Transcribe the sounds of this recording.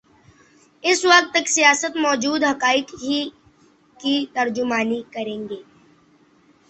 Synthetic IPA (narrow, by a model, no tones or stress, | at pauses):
ɪswɐkt̪əksijaːsət̪mɔːd͡ʒuːd̪ɦɐkaːɪkɦi | kit̪ɐɾd͡ʒʊmaːnikɐɾẽːŋɡeː